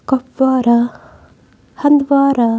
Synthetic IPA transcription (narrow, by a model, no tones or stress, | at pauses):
kɔpʋaːɾa | hɐnd̪ʋaːɾa